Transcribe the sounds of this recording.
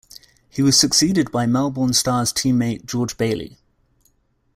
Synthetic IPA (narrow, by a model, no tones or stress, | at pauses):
hiwɒz̥səksiːdɪd̚baɪmalˠbɔːnstɑːz̥tʰĩːmːeɪʔ̚d̥ʒ̥ɔːd͡ʒbeɪlḭ